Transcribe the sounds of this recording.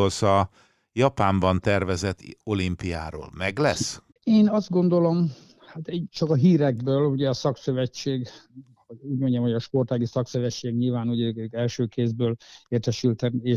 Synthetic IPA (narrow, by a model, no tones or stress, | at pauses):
olsɒ | jɒpaːmbɒnt̪ɛrvɛzɛt̪ʰːo̞limpija̰ːɾo̰ːlmɛɡlɛ̰s | eːnɒzd̪̚ɡo̞nd̪o̞lo̞m | hat̪ɛt͡ʃɒkɒɦiːɾɛɡ̚bøːluɟɛɒsɒksøvɛt͡ʃːeːɡ | houːɟmo̞ɲɟɛmhoɒʃpo̞rt̪aːɡisɒksøvɛt͡ʃːeːɡɲilvaːnuɟɛɛlʃøːkeːzbøːleːrt̪ɛʃylt̪ɛneː